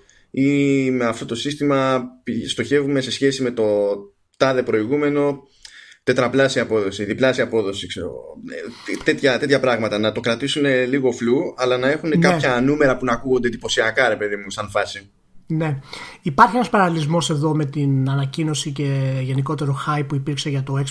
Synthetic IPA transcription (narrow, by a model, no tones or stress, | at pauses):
ime̞ɐft̪o̞t̪o̞sist̪imɐpst̪o̞çe̞vume̞se̞sçe̞sime̞t̪o̞ | t̪ɐðe̞pɾo̞iɣume̞no̞ | t̪e̞t̪ɾɐplɐsiɐpo̞ðo̞siðiplɐsiɐpo̞ðo̞sikseɾo̰ɣo̰ | t̪e̞t̪çɐt̪e̞t̪çɐpɾɐɣmɐt̪ɐnɐt̪o̞kɾɐt̪isune̞liɣo̞fluɐlɐnɐe̞xunekɐpçɐnume̞ɾɐpunɐkuɣo̞nd̪e̞d̪ipo̞siɐkɐɾe̞pe̞ðimust̪ɐnfɐsi | ne̞ipɐɾçienɐspɐɾɐlilizmo̞se̞ðo̞me̞t̪inɐnɐcino̞sice̞ʝe̞nikot̪e̞ɾo̞xɐjpːuipiɾkse̞ʝɐt̪o̞e̞ks